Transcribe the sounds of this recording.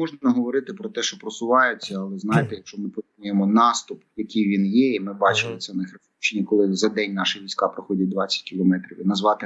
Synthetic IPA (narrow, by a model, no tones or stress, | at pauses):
mɔʒnɐnɐɦɔʋɔɾɪt̪ɪpɾɔt̪ɛʃt͡ʃɔpɾɔsʊʋɑjʊt͡sʲːɐɐlˠɛznɑjɪt̪ɛjɐkʃt͡ʃɔmɪpɔnʲujemɔnɑst̪ʊpjɐkʲijʋʲinjɛimɪbɑt͡ʃɪlˠɪt̪sɛnɐxɾefut͡ʃnʲikɔlˠɪzɐd̪ɛnʲnɑʃɪʋʲijsʲkɑpɾɪxɔdʲɐt̚ʲd̪ʋɑt͡sʲːɐ̥tʲkʲɪlˠɔmɛt̪ɾʲiʋʲinɐzʋɑt̪ɪ